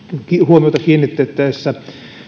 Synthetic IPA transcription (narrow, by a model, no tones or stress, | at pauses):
kihuomioˑt̪ɑkiːnːit̪ːeːt̪t̪æesːæ